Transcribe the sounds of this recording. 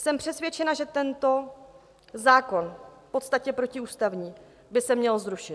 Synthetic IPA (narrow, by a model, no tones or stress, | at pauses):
sɛmpr̝̥ɛsvjɛt͡ʃɛnaʒɛt̪ɛnt̪o̞ | zaːko̞nfpo̞t̪st̪acɛpɾo̞cɪuːst̪avɲiː | bɪsɛmɲɛlzɾuʃɪt̪